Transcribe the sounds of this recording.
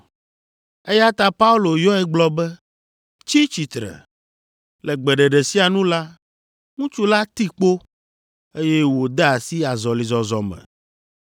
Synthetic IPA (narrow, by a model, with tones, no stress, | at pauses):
e˦ja˦t̪a˦pa˦u˦lo˨jɔ˦ɛ˦ɡ͡blɔ˦bɛ˦ | t͡ʃi˦t͡ʃi˨t̪ɾɛ̰˨ | lɛ˨ɡ͡bɛ˨ɖɛ˨ɖɛ˨si˦a˨nũ˦la˦ | ŋũ˦t͡ʃu˦la˦t̪i˦k͡po˦ | e˦je˦wo˨d̪ɛ˦a˨si˦a˨zɔ˨li˨zɔ˨zɔ˨mɛ̰̃˨